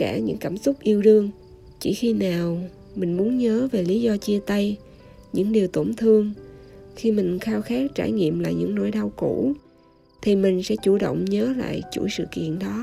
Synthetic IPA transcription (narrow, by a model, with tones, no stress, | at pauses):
kaː˧˩ɲɨ̰˧˥ŋkaː˧˩msʊ˦˥k͡p̚ʔi˧əwɗɨ˧əŋ | t͡ɕi˧˩xi˧naː˨˩w | mï˨˩ŋ̟mu˨˦ənɲəː˨˦ve˨˩li˨˦zɔ˧t͡ɕi˧ət̪ə˧j | ɲɨ̰˧˥ŋɗi˨˩əwt̪o˧˩ŋ͡mt̪ʰɨ˧əŋxi˧mï˨˩ŋ̟xaː˧wxaː˦˥k̚t͡ɕaː˧˩jɲḭ˧˨əmla̰ː˧˨jɲɨ̰˧˥ŋno̰˧˥˩jɗa˧wku˧˩˥ | t̪ʰi˨˩mï˨˩ŋ̟sɛ̰˧˥t͡ɕu˧˩ɗə̰˧˨wŋ͡mɲəː˨˦la̰ː˧˨jt͡ɕṵ˧˩jsɨ̰˧˨kḭ˧˨ənɗɔ˨˦